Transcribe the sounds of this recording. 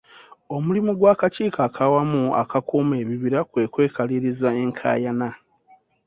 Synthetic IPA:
o̞mulimuɡwaːkaciːkaːkʰawamua̰kakʰume̞ːβiβiɾakwe̞ːkwe̞ːkaliɾizae̞ŋkʰa̰ːjana

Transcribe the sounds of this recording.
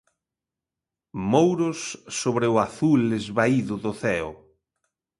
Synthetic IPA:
mowɾʊsːoβɾɪʊaθulezβaiðʊðʊθɛʊ̰

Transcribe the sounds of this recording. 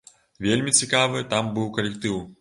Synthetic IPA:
vʲelʲmʲit͡sʲikavɨt̪ambɨwkɐlʲɛkt̪ɨw

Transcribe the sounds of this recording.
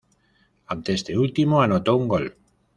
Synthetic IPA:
ant̪eest̪eult̪imoanot̪ouŋɡo̞l

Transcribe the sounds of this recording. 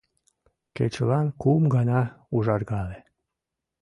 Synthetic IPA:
kḛt͡ɕlɑnkumɡɑnɑuʒɑrɣɑle

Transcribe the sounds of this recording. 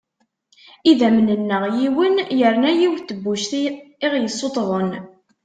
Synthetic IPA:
iðæmənənːəʁjiwənjəɾnæjiwθəbːuʃθɪʁjəsˤːot̪ˤðˤən

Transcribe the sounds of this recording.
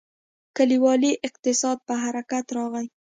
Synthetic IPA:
kaliwɑliʔɪq̚t̪ɪsɑd̪̚pəɦaɾakat̪ɾɑɣaj

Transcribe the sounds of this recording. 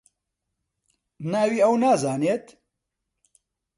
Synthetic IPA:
naːwiːɛwnaːzaːneːt̪

